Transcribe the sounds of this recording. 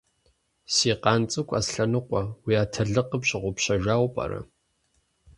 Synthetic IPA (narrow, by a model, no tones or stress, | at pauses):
siːqɑːnt͡sʼɨkʷʼa̰sɬɐnɨqʷʼɐwiːaːtʰɐɮɨqəpɕɪʁʷʊpɕɐʒaːwpʼɐ̰ɾɐ̰